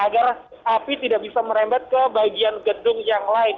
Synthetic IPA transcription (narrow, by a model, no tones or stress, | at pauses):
aɡar | apit̪idaʔk̚bisaməɾambat̪̚kəbaɡianɡədʊŋjaŋlaɪn